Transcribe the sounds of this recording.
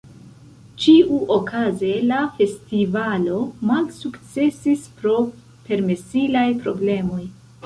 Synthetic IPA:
t͡ʃiʔuʔokʰaze̞lafe̞stivalo̞malsukt͡se̞sispɾo̞ | pe̞ɾme̞silajpɾo̞ble̞mo̞j

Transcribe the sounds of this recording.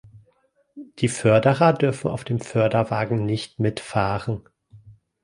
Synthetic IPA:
d̥iːfœɐdəʁɐdʏɐfn̩ʔa̰ʊfd̥eːmfœɐdɐvaːɡŋ̩nɪçtmɪtfaːʁən

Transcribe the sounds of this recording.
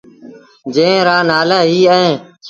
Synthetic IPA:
d͡ʒẽːɾaːnaːlaːɦiːəẽː

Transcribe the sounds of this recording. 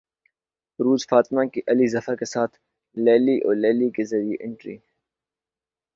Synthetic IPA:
ɾuːzfaːt̪ɪmãkiʔɐlizɐfəkesaːt̪ʰ | lɛːliʔɔ̰ːɾlɛːlikezɐɾijeʔɪ̃ɳʈɾḭː

